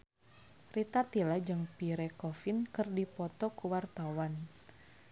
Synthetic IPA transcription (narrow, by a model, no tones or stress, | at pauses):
rit̪at̪ilad͡ʒɨŋpiɾɛkɔfinkɨrdipɔt̪ɔkuwart̪awan